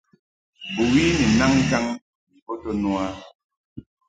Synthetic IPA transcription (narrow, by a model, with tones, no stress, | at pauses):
bu˨ɣi˦ni˨na˦ŋ̩˦d͡ʒa˦ŋ | ni˨pɔ˦to˦nwa˦